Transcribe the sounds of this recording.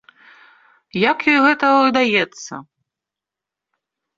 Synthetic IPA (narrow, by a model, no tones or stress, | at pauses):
jakjɔjɣɛt̪ɐvɨd̪ajɛt̪sːɐ̰